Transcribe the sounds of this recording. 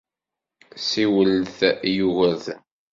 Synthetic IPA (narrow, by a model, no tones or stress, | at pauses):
siwəlθjuɣæð